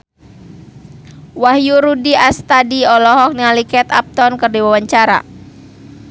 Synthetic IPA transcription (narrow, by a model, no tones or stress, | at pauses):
wahjuɾudiast̪adiɔlɔɦɔk̚nialikɛt̪a̰p̚t̪ɔnkɨrdiwawaɲt͡ʃaɾa̰